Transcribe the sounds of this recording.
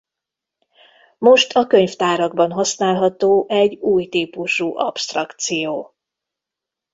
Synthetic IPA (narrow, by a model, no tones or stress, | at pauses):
mo̞ʃt̪ʰɒkø̞ɲft̪aːɾɒɡbɒnɦɒsnaːlɦɒt̪oːʔɛɟuːjt̪iːpuʃuːʔɒ̰pst̪rɒkt̪sijoː